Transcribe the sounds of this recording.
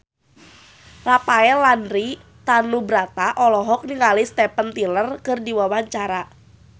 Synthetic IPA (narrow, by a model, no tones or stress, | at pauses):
lapaɛlanɾi | t̪anubɾat̪aʔɔlɔɦɔk̚niŋalist̪ɛpənt̪ilərkɨrdiwawaɲt͡ʃaɾa